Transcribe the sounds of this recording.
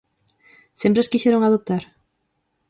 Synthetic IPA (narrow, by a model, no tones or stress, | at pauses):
sempɾaskiʃeɾoŋaðop̚t̪aɾ